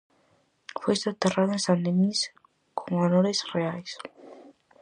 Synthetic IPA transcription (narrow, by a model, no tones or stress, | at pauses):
fest̪at̪eraðensand̪enis | kʰoŋanoɾesreajs